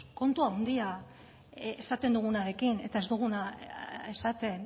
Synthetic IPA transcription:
ko̞nt̪uawnd̪ia | esat̪e̞nd̪uɣ̞unaɾe̞kine̞t̪ae̞zd̪uɣ̞unae̞sat̪e̞n

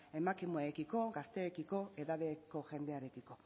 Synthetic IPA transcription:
e̞makimueekiko̞ɡast̪e̞ːkiko̞e̞ðaðe̞ko̞ʝe̞nd̪e̞aɾe̞kiko̞

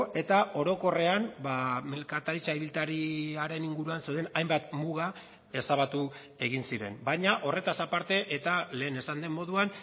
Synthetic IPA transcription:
e̞t̪aʔo̞ɾo̞ko̞re̞ambame̞lkat̪aɾit͡ʃaiβilt̪aɾiaɾe̞niŋɡuɾuansewðe̞najmbat̪muɣ̞a | e̞saβat̪u | e̞ɣ̞insiɾe̞̰mbajɲaʔo̞re̞t̪asapaɾt̪e̞ʔet̪ale̞ːne̞sand̪e̞mːo̞ðuan

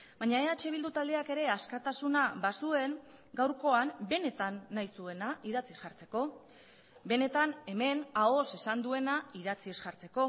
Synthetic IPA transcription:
baɲaeat͡ʃe̞β̞ild̪ut̪ald̪e̞ake̞ɾe̞askat̪asunaβasue̞n | ɡawɾko̞ambe̞ne̞t̪anːajsue̞naiðat͡sisɣaɾt͡se̞ko̞ | be̞ne̞t̪ane̞me̞nao̞se̞sand̪ue̞naiðat͡siesɣaɾt͡se̞ko̞

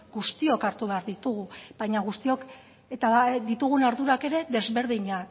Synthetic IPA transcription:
ɡust̪io̞kaɾt̪uβe̞aɾðit̪uɣ̞ubajɲaɣust̪io̞k | et̪ad̪it̪uɣ̞unaɾðuɾake̞ɾe̞ðe̞zβe̞ɾð̞iɲak

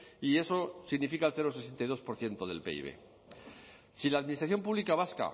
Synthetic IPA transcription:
ie̞so̞siɣnifikaelθeɾose̞sent̪ajðo̞spo̞ɾθje̞nt̪o̞ðe̞̰lpe̞̰ḭβ̞e̞̰ | silaðminist̪ɾaθjo̞mpuβlikaβ̞aska̰

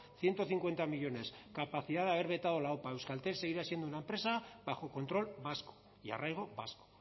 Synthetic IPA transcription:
θje̞nt̪oθiŋkwe̞nt̪amiʎo̞ne̞skapaθiðaðaβe̞ɾβe̞t̪aðo̞laopae̞wskalt̪ese̞ɣ̞iɾasije̞nd̪unaempɾe̞saβaxo̞ko̞nt̪ɾo̞lbasko̥ | ja̰rajɣ̞o̞βasko̥

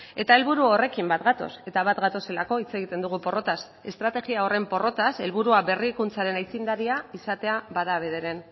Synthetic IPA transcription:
e̞t̪ae̞lβuɾuo̞re̞kimbat̪ɡat̪o̞̰se̞t̪aβat̪ɡat̪o̞se̞lako̞it͡se̞ɣ̞it̪e̞nd̪uɣ̞upo̞ro̞t̪as | e̞st̪ɾat̪e̞ɣiao̞re̞mpo̞ro̞t̪ase̞lβuɾuaβe̞rikunt͡saɾe̞najt͡sind̪aɾiaisat̪e̞aβaðaβe̞ð̞e̞ɾe̞n

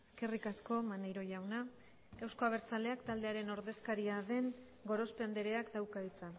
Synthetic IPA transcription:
eske̞rikasko̞manejɾo̞ʎawna | ewsko̞aβ̞e̞ɾt͡sale̞akt̪ald̪e̞aɾe̞no̞ɾðe̞skaɾiaðe̞ŋ | ɡo̞ɾo̞spend̪e̞ɾe̞akd̪awkaɣit͡sa

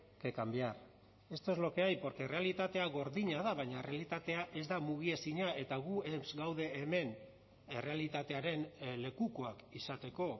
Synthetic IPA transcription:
ke̞kambiar | e̞st̪ozlo̞ke̞ajpo̞ɾke̞re̞alit̪at̪e̞aɣo̞ɾðiɲaðaβajɲare̞alit̪at̪e̞aʔe̞zd̪amuɣ̞ie̞siɲae̞t̪aɣ̞uemzɡawðe̞ːme̞n | ere̞alit̪at̪e̞aɾe̞nle̞kuko̞akisat̪e̞ko̞

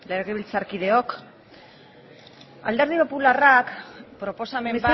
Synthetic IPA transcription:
leɾɣeβilt͡saɾkiðe̞o̞k | a̰ld̪e̞ɾðipo̞pularakpɾo̞po̞samems

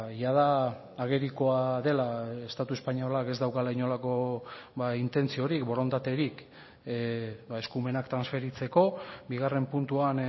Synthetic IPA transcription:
jaðaː | ɣe̞ɾiko̞aðe̞lae̞st̪at̪ue̞spaɲo̞lake̞zd̪awkalejɲo̞lako̞βaint̪e̞nt͡sio̞ɾikbo̞ɾo̞nd̪at̪e̞ɾik | baeskume̞nakt̪ɾansfe̞ɾit͡se̞ko̞biɣ̞are̞mpunt̪uan

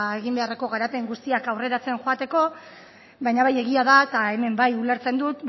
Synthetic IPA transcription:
e̞ɣimbe̞areko̞ɣaɾape̞ŋɡust̪iakawre̞ɾat͡se̞nxoat̪e̞ko̞ | βajɲaβaje̞ɣiaðat̪ae̞me̞mbajule̞ɾt͡se̞nd̪ut̪

